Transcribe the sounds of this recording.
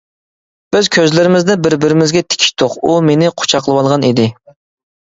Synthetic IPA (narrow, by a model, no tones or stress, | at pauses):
b̥ɪz̥kʲʰøzlɪɾɪmɪzd̪ɛbɪɾbɪɾɪmɪzɡʲɛt̪ʰɪ̥kʲʰi̥ʃt̪ʰːoqumenɪqʰo̥t͡ʃʰɑqʰlˠəwɑlˠʁɑnid̪ɪ